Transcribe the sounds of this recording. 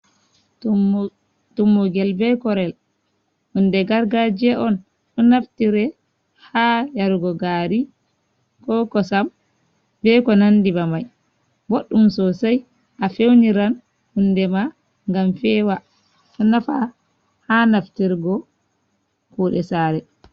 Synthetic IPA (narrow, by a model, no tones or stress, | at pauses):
tumːuɡɛlbɛkɔɾɛl | hundɛɡaɾɡad͡ʒɛʔɔn | ɗɔnaftiɾɛ | hajaɾuɡɔɡaɾi | kɔkɔsam | bɛkɔnandibamaj | boɗːumsɔsaj | ʔafewniɾan | hundɛma | ŋɡamfɛːwa | ɗɔnafa | hanaftiɾɡɔ | kuːɗɛsaɾɛ